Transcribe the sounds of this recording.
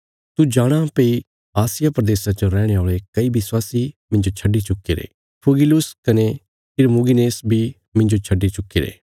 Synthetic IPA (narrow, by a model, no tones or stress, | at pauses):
t̪ud͡ʒaːɽ̃ãpei | aːsɪjapɾɐd̪eːsãt͡ʃõɾɛːɽ̃eaːɭekɐibɪswaːsimɪ̃nd͡ʒot͡ʃʰɐɖit͡ʃʊkːeɾḛː | pʰʊɡɪlʊskɐne | ɪɾmuɡineːsbʱi | mɪ̃nd͡ʒot͡ʃʰɐɖːit͡ʃʊkːeɾḛː